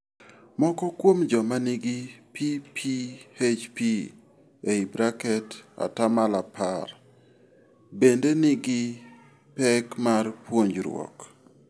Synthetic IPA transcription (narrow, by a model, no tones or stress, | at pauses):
mɔkɔkwomd͡ʒɔmaniɡipʰipʰiet͡ʃpi | eibɾakɛta̰tamalapar | bendenɪɡɪ | pɛkmarpwoɲd͡ʒɾwɔ̰k